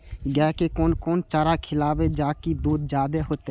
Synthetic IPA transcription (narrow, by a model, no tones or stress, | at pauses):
ɡɛːkekoːnkoːnt͡ʃaːɾakʰɪlaːʋed͡ʒaːkid̪uːd̪d͡ʒaːd̪eɦoːt̪e